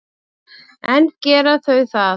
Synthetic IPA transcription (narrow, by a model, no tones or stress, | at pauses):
ɛncɛːɾaθœɥθa